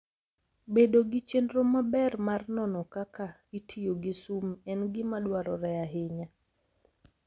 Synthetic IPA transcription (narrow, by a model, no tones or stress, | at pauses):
bedoɡit͡ʃendɾomabɛrmarnɔnɔkaka | itʰijoɡisumɛnɡɪmadwaɾɔɾɛjaɦɪɲa